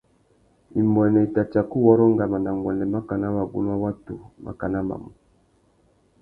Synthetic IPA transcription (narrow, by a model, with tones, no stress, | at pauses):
i˨mbɛ˨nɛ˨i˨ta˨t͡ʃa˨ku˦wɔ˦ɾɔ˦ŋɡa˨ma˨na˨ŋɡwɛ˨nɛ˨ma˦ka˨na˦wa˨ɡṵ˦n˦a˦wa˦tu˨ma̰˨ka˨na˦ma̰˨mu˨